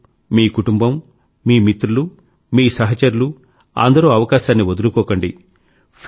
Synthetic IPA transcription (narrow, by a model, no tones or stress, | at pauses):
miːkuʈumbɐmː | iːmit̪ɾulu | miːsɐɦɐt͡ʃɐɾulu | a̰ːnd̪ɐɾoːɐʋɐkaːʃaːnːiʋod̪uɾukɔːkɐɳɖi | p